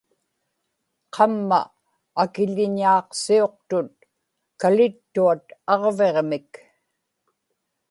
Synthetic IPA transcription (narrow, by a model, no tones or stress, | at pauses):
qʰɑmːa̰ː | kɪʎɪɲɑːqsio̞q̚t̪ʊt̪̚ | kalɪt̪ːuat̪ɑʁve̞ʁmɪk